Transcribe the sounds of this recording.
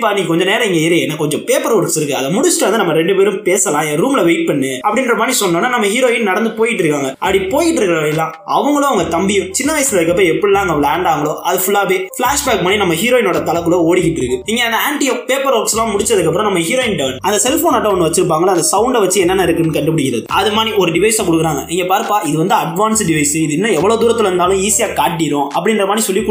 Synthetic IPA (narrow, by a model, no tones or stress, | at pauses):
pːaːniŋkːɐkɔɲd͡ʒɔ̃neːɾɐɪŋɡeɪɾɯjeːnːakɔɲd͡ʒɔ̃peːpɐɾoːɾksɪɾɯkːɯɐðɛmʊɽʊsʈːɐɐnd̪ɯnɐmːɐɾɛɳɖɯpeːɾɯ̃mpeːsɐlãːɾuːmɪlɐʋeɪʈ̚pɐɳːɯɐpːɐɽɪnrɐpanisɔnːoːnːaːnɐmːɐɦiːɾoːjɪnnɐɽɐnd̪ɯpoːjɪʈːɾɯkːaːŋɡɐɐpːɐɽipoːjɪʈːɪɾɯkːɾɐʋɐɽɪlːãː | ɐʋɐŋɡɐɭʊ̃ːɐʋɐŋɡɐt̪ɐmbɪjʊ̃t͡ʃɪnːɐʋɐɪsɪlɐðɯkːɐp̬ːɾɐ̃ɛpːɐɽilãːŋɡɐɭaːɳɖaːʋɐŋɡɐɭoːɐðɯfʊlːaːʋeːflaːʂbaːkɯpɐnːinɐmːɐɦiːɾoːɪnoːɽɐt̪ɐlɐkːɯɭoːoːɽɪkːɪʈːɾɯkːɯiːŋɡeɐnd̪ɐaːɳʈɪjopeːpɐɾoːkslãːmʊɽɪt͡ʃːɐðɯkːɐpːɯɾɔ̃nɐmːɐɦiːɾoːɪnɖɐʋnɐnd̪ɐsɛlfoːnɐʈːɐɔnːɯʋɐt͡ʃːɯɾɯpːaːŋɡɐɭaɐnd̪ɐsɐʊɳɖʋɐt͡ʃːɯɛnːɐnːaɪɾɯkːɯnːɯkɐɳɖɯpɪɽɪk̬ːɪɾɐ̰ðɯʔɐðɯmaːiɔɾɯɖɪʋɐɪsãkʊɽɯkːɯɾaːŋɡɐ̰ʔiŋɡepaːɾpːaːɪðɯʋɐnd̪ɯɐɖʋaːnsɖɪʋɐɪsɯɪðɪnːɐɛʋːɐɭoːd̪uːɾɐt̪ːɪlɛɾɯnd̪aːlʊ̃iːsɪjaːkaːʈːɪɾõʔɐpːɐɽɪnrɾɐmaːd̪ɾisɔlːikː